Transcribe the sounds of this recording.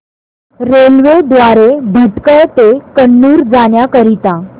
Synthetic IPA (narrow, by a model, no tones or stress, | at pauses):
ɾelʋed̪ʋaɾebʱəʈkət̪ekəɳːuːɾd͡zaɳjakəɾit̪a